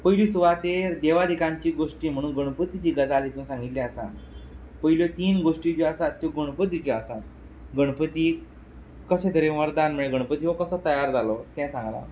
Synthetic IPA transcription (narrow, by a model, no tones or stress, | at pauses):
pəɦilisuʋat̪eɾd̪eʋad̪ʱikãɲt͡ɕiːɡoʂʈiːm̤əɽ̃uːnɡəɽ̃pət̪it͡ɕiːɡəd͡zalit̪ũsãŋɡit̪liasa̰ | pəɦiljot̪iːnɡoʂʈid͡ʑoasat̪ːjoɡəɽ̃pət̪ːit͡ɕɔasat̪ | ɡəɽ̃pət̪iː | kəsẽt̪ʰəɾeʋəɾd̪anm̤əɭeɡəɽpət̪iɦokəsat̪əjaɾd͡zalɔt̪ɛ̃sãŋɡla̰